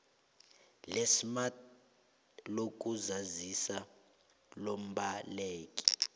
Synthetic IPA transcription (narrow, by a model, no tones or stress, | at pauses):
lesimat | lok̬ʼuzazisa | lom̩ɓaleːkʼi̥